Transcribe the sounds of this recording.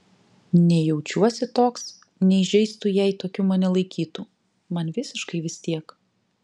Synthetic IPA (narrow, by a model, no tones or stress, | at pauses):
nʲɛjɛʊt͡ʃʲuɔsʲɪt̪oːks | nʲɛɪʒʲɛɪst̪ujɛɪt̪oːkʲumɐnʲɛlˠɐɪkʲiːt̪u | mɐnʋʲɪsʲɪʃkɐɪʋʲɪsʲt̪ʲiɛk